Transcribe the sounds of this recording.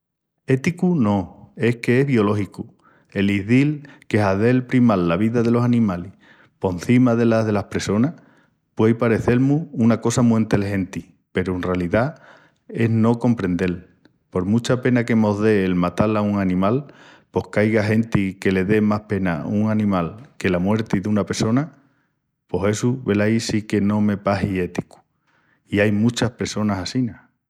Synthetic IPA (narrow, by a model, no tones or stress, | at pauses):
e̞t̪ikunõ̞e̞hkeeβio̞lo̞ɦiku | e̞liðilke̞ɦaðe̞lpɾimalːaβ̞iðaðe̞lo̞sanĩmalih | po̞nθimaðe̞laðe̞lahpɾe̞so̞nah | pwejpaɾe̞θe̞lmuunako̞samuint̪e̞lɦe̞nt̪i | pe̞ɾuenrealiða | e̞ɦno̞ko̞mpɾẽ̞nd̪e̞l | po̞ɾmut͡ʃape̞nake̞mo̞ðe̞ːlmat̪alauŋanĩmalpo̞hkajɣaɦe̞nt̪ike̞le̞ðe̞mahpe̞na̰uŋanĩmalke̞lamwe̞ɾt̪iðunape̞ɾso̞na | po̞ɦe̞suβe̞lajsike̞nõ̞me̞paɦie̞t̪iku̥ | iajmut͡ʃahpɾeso̞nasasina